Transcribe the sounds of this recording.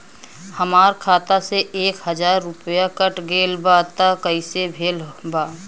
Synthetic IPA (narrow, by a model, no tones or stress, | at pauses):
həmaːɾkʰaːt̪aseeːkɦəd͡ʒaːɾːʊpjakəʈɡeːlbaːt̪akəisebʱeːlbaː